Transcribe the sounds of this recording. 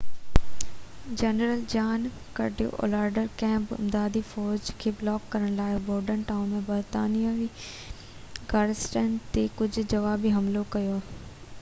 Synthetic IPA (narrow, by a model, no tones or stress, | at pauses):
d͡ʑɛːnəɾəld͡ʑaːn | kɐ̰ɖijo̰ʔo̰ːlaːɾɖəɾkɛ̃ːmpɪ̰md̪aːd̪ifɔːɾd͡ʑkʰeːblɔːkːɐɾəɽ̃laːɪboːɾɖənʈaːunmẽbɐɾt̪aːnijaʋi | ɡaːɾɪsʈənt̪ekʊd͡ʑʱʊ̆d͡ʑɐʋaːbiɦɐmlokɐjoː